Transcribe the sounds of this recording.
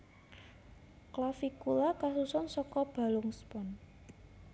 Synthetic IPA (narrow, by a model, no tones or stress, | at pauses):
klafikulakasusɔnsɔkɔb̥a̤lʊŋspɔn